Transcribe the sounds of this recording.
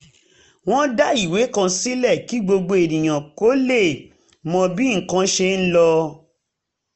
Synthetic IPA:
w̃ɔ̃˦da˦i˨we˨˦kã˧si˦lɛ˦˨ki˨˦ɡ͡bo˧ɡ͡bo˧e˨nĩ˨j̃ã˨ko˨˦le˦˨ | mɔ̃˧bi˦ŋ̩˨kã˧ʃe˧n̩˦lɔ˧

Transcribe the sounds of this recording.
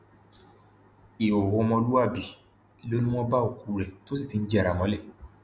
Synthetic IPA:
i˨o˨wo˧mɔ̃˧lu˦a˦˨bi˨˦˨ | lo˦nũ˦w̃ɔ̃˧ba˦o˦˨ku˨˧˨ɾɛ˨to˦s̬i˦˨ti˨˧n̩˦d͡ʒɛ˦˨ɾa˨mɔ̃˨˦lɛ˦˨

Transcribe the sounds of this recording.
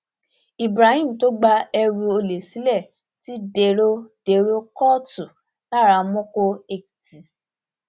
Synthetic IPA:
i˨bɾa˨˦hĩ˦m̩˨to˦ɡ͡ba˧ɛ˧ɾũ˧o˧le˨si˨˦lɛ˦˨ | ti˨˦de˧ɾo˦de˧ɾo˦kɔ˦tu˨ | la˦˨ɾa˧mɔ̃˦ko˦e˧kti˨

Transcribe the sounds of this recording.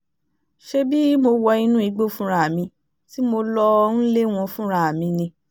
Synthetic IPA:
ʃe˦bi˦mo˧wɔ˧ĩ˧nũ˦i˧˦ɡ͡bo˦fũ˦ɾ̃a˦˨a˨mĩ˧ | ti˦mo˧lɔ˧n̩˦le˦w̃ɔ̃˧fũ˦ɾ̃a˦˨a˨mĩ˧nĩ˧

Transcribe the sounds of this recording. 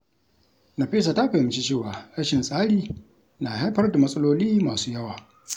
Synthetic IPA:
nɐ˨ɸiː˦s̬a˨ta˦ɸeː˨mɪ˦t͡ʃi˦t͡ʃeː˦˨waː˨ɽɐ˦ʃɪ˨nsʼaː˦ɽiː˨ | naː˨ha˦jɸɐ˦rda˨mɐ˦sʼɐ˦loː˦liː˦maː˨suː˦jɐ˦waː˨

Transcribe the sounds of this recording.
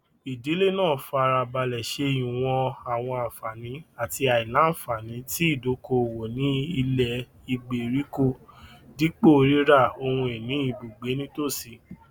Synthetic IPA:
i˨di˨˦le˦˨nãː˦˨fa˧ɾa˧ba˧lɛ˨ʃe˧˦˨jĩ˨w̃ɔ̃˧a˨w̃ɔ̃˧a˨fa˨nĩ˨˦a˨ti˧a˨i˨lã˨˦˨fa˨nĩ˨˦ti˦i˦˨do˨˦ko˧˨wo˨nĩ˨˦i˧lɛ˧ | i˧ɡ͡be˨ɾi˨˦ko˦di˦k͡po˦˨˧ɾi˦ɾa˦˨o˧hũ˧e˨nĩ˨˦i˦˨bu˨ɡ͡be˨˦nĩ˦to˦˨si˧˦

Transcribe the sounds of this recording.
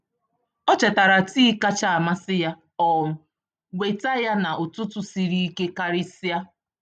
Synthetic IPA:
ɔ˦t͡ʃe˨ta˨ɾa˨ti˦ka˦t͡ʃa˨a˨ma˦sɪ˦ja˦ | ɔ˨m̩˦ | wʷe˨ta˦ja˦na˨ʔʊ˨tʊ˦tʊ˦si˨ɾi˦i˦ke˦ka˦ɾɪ˦si˦a˦

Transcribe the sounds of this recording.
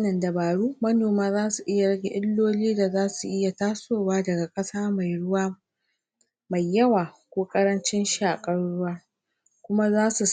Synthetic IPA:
nɐ˨ndɐ˨baː˨ɽuː˦mɐ˦noː˨maː˦zaː˦su˨ʔɪ˦ja˨ɽɐ˦ɡʲe˨ʔɪ˦lːoː˦liː˦da˨zaː˦su˨ʔɪ˦ja˨taː˦soː˦˨waː˦dɐ˨ɡa˨kʼɐ˦saː˦ma˨jɽʊ˦waː˦ | ma˨jːɐ˦waː˨kʷoː˦kʼɐ˦ɾɐ˦nt͡ʃɪ˦nʃaː˨kʼɐ˦ɽʊ˦waː˦ | kʷʊ˦ma˦zaː˦su˨

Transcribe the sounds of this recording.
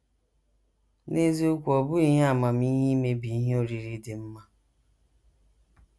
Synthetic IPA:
ne˦zi˦ʊ˦kʷɔ˨bʊ˦i˦ɦe˦a˦˨ma˨m̩˦i˦ɦi˦me˦bi˨i˦ɦe˦o˦ɾi˨ɾi˦de˨m̩˦ma˦

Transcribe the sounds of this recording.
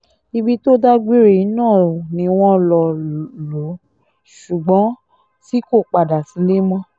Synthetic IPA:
i˧bi˧to˦da˦ɡ͡bi˦ɾe˦˨i˨˧˦nãː˦˨nĩ˧w̃ɔ̃˧lɔ˧˨lo˨˦ | ʃu˨ɡ͡bɔ̃˨˦ | ti˨˦ko˦˨k͡pa˨da˨sĩ˨˦le˦mɔ̃˦

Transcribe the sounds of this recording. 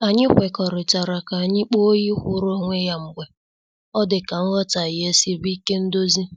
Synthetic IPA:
a˨ɲɪ˦xʷe˨kɔ˨ɾɪ˨t͡ʃa˨ɾa˨ka˨a˨ɲɪ˦k͡po˦ji˦kʷʊ˦ɾo˦˨ŋʷe˦ja˨ŋ͡m̩˨ɡʷe˨ | ɔ˦dɪ˨ka˨ŋ̩˦ɣɔ˦ta˨ɪ˨je˦si˦bi˦ke˦n̩˦do˦zi˦

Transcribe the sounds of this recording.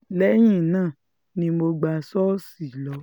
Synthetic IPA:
lɛ˨˦j̃ĩ˦˨nãː˦˨ | nĩ˧˦mo˧ɡ͡ba˧sɔ˦si˦˨lɔ˨˦

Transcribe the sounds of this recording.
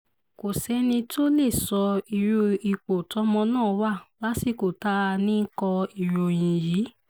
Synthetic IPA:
ko˨sɛ˨˦nĩ˧to˦le˦˨sɔ˧i˨ɾu˧i˧k͡po˨tɔ˨˦mɔ̃˧nãː˦˨wa˦˨la˨˦si˦˨ko˨ta˨˦˧nĩ˦kɔ̃˧i˨ɾo˨j̃ĩ˨ji˨˦

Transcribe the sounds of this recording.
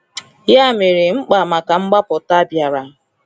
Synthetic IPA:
ja˦˨me˨ɾɪ˨ŋ͡m̩˦k͡pa˨ma˨ka˨ŋ͡m̩˦ɡ͡ba˦pɔ˨ta˦bja˨ɾa˨

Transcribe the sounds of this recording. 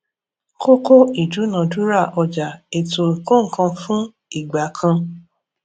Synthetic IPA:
ko˦ko˦i˨d͡ʒu˨˦nã˨du˦ɾa˦˨ʔɔ˧d͡ʒa˨e˨to˨ɾi˨ko˦ŋ̩˨kã˧fũ˦ | i˦˨ɡ͡ba˨˦kʰã˧

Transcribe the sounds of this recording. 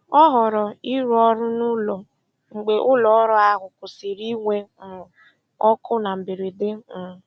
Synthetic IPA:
ɔ˦ɦɔ˨ɾɔ˨i˦ɾɔ˦ɾʊ˦nʊ˦lɔ˨ | ŋ͡m̩˨ɡ͡be˨ʔʊ˦lɔ˨˦ɔ˦ɾʊ˦a˦ɦʊ˨kʊ˨sɪ˨ɾi˦ŋʷe˦m̩˨ | ɔ˦kʊ˦na˨m̩˨bi˨ɾi˨dɪ˦m̩˨

